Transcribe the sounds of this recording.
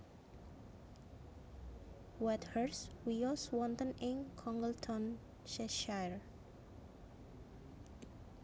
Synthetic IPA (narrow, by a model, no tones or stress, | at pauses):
wɛt̪həɹswiɔswɔ̃nt̪ə̃nɪ̃ŋkʰɔ̃ŋɡəltʰɔ̃n | ʃɛʃajɹ